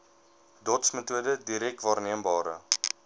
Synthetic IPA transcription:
dɔtsmətuədədiɾɛk̚tvɑːrniəmbɑːɾə̰

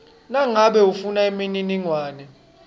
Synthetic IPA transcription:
naŋaɓɛufunaemininiŋwaːnɛ

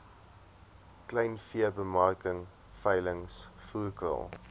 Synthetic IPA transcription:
klɛjnfiəbəmɑrkəŋ | fɐjləŋsfuːkə̰lˠ

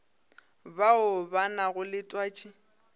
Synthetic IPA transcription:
baʊbanaɣʊlɪtʼwaːt͡ʃʼi

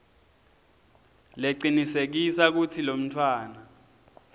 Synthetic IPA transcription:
leǀinisek̬isak̬utʰilom̩tʰwaːna

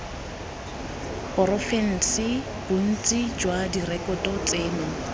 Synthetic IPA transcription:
pɔɾɔfɛn̩sɪ | b̥un̩t͡sʼid͡ʒwadirɛkʼɔtʼɔt͡sʼeːnɔ

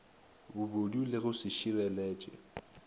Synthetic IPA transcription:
bʊbodulɪɣʊsɪʃirɛlɛːt͡ʃʼɛ̰

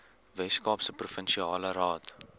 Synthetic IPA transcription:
vɛskɑːpsəprufənʃiɑːləɾɑːt

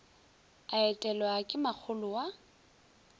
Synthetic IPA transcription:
aɛtʼɛlɔakʼɪmak͡xʰʊlʊwa

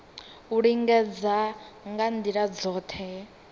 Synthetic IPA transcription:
uɺiŋɡɛd͡za | ŋɡandiɺad͡zɔːtʰɛ

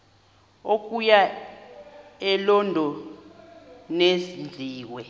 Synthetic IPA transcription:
okʼuja | ɛlɔndʱɔ | nesind͡ɮʱiːwɛ

